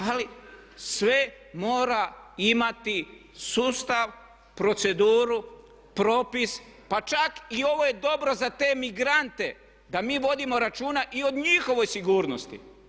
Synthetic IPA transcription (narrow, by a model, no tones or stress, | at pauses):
ali | sʋe | moːɾaimat̪i | suːst̪aʋ | pɾo̞t̪se̞d̪uːɾu | pɾo̞ːpis | pat͡ʃakio̞ʋo̞je̞d̪o̞bɾo̞zat̪e̞miɡɾant̪e̞ | d̪amiːʋo̞d̪imo̞ɾat͡ʃuːnaʔio̞d̪ɲixo̞ʋo̞jsiɡuːɾnost̪ḭ